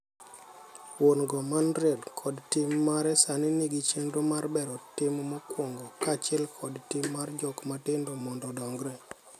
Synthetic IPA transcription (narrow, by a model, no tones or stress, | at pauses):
wonɡɔmanɾedkʰɔdtɪmːaɾɛsaniniɡit͡ʃenɾomarbɛɾɔtɪmmɔkwoŋɡokat͡ʃɛlkʰɔdtɪmːard͡ʒɔkmatɪndomɔndɔdɔŋɡɾɛ